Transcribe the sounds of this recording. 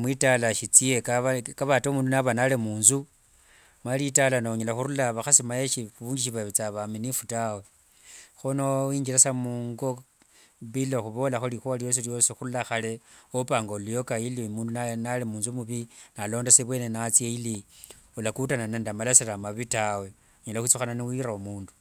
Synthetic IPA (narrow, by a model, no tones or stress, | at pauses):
mwitalaʃit͡siekaβakaβataomuːndunaβanalemuːnzu | malitalanaoɲelaxuɾulaβaxasimajeʃiuβuːɲɡiʃiβaβit͡saβaminifutawo | xonoiːɲd͡ʒilasamuŋɡo | βiloxuβo̞laxulixualijo̞s̬iljo̞sixurulaxale̞opaːŋɡolujokailimuːndunanalimuːnzumuβinalo̞ːndaseβwe̞ːnenat͡sieiliulakutananendamalasiramaβitawe̞ | uɲelaxut͡suxananiwiɾaumuːndu̥